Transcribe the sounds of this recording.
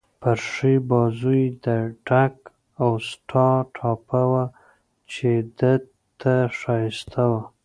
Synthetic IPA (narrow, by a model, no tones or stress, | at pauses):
paɾʂibɑzujd̪əɖak | awsʈʰɑʈʰɑpawa | t͡ʃed̪ə | t̪ːaʂɑjɪst̪ʰawa